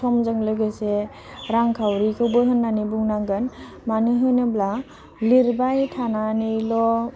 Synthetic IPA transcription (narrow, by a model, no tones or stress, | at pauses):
ɔmzɯŋlɯjɡase | ɾaŋkʰawɾikʰɯwbɯjɦɯnːanibuŋnaɡɯn | manɯɦɯnɯbla | liɾbajtʰananɯjlɔ